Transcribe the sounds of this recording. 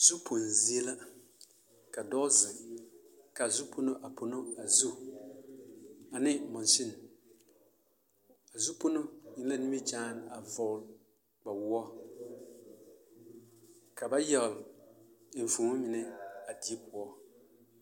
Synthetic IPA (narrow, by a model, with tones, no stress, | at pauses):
zu˦pʰo˨n˨zi˦e˦la˦ | ka˨dɔ˦zɪ˨ŋ | ka˨zu˦pʰo˦no˦ʔa˨po˨no˦a˨zu˦ | a˨nɪ˦mɔ˨n˨ʃɪ˦n˨ | a˨zu˦po˦no˦ɲi˦n˦la˦ni˦mi˦t͡ʃaː˦na˨vɔ˨˦˨l | k͡pa˨wʊ˦ɔ˦ | ka˨ba˦jɛ˦˨ɣl | ɱ̩˨fu˨ŋo˦mɪ˨nɛ˦a˨di˦e˦pʊ˨ɔ˦